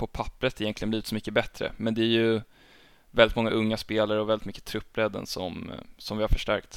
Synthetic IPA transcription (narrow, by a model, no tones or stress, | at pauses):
pʰɔpʰapːɾət̪ɛjɛnt̪lɪɡənliːvɪt̪sɔmʏkːəbɛt̪ɾə̰mɛnd̪ɛæɾjɵ | vɛlːɪt̪mɔŋːaʔɵŋːaspeːlaɾəɔvɛlːɪt̪mʏkːə̥t̪ʰɾɵpːɾɛd̪ːə̰nsɔ̰msɔmvɪhaɾfœʂʈæ̰ɾkt̪